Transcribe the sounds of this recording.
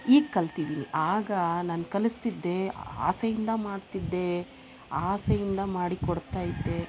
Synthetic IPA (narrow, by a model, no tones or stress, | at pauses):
iːɡkɐlt̪id̪iːnḭʔaːɡɐnaːnkɐlist̪id̪ːe̞a̰ːsejind̪ɐmaːɽt̪id̪ːe̞ | aːsejind̪ɐmaːɽikɔɽt̪aːjid̪ːe̞